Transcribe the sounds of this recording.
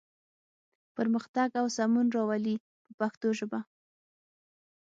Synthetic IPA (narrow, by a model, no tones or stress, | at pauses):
pəɾməxt̪aɡawsamunɾɑwali | pəpaxt̪oʒəba